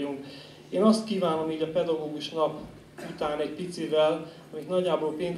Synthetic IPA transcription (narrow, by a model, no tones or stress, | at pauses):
uŋk | eːnɒst̪kiːvaːno̞miːɟɒpɛd̪ɒɡoːɡuʃnɒp | ut̪aːnɛɟpit̪sivɛl | ɒmit̪nɒɟːaːboːlpeːn